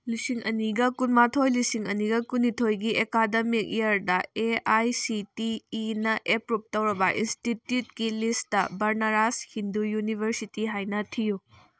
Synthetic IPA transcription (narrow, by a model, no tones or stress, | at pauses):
lisiŋʔɐniɡɐkunmatʰojlisiŋɐniɡɐkunːitʰojɡiekademik̚ejɐɾdɐeajsitiːnɐʔepɾup̚tɐwɾɐbɐʔinstitjut̚kilistɐbɐɾnaɾashindujunibʱɐɾsitiɦajnɐtʰiju